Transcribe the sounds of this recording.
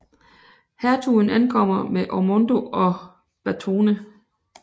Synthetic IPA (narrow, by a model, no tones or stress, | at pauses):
hæɐt͡sʰunænkʰɒ̽m̰ɐmeʔɒmond̥o̝ɒ̽ | b̥æt͡sʰo̝ːnə